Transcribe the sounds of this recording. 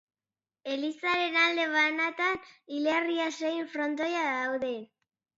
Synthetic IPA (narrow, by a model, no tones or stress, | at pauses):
e̞lisaɾe̞nald̪e̞βanat̪anileriasejɱfɾo̞nt̪ojaðawðe̞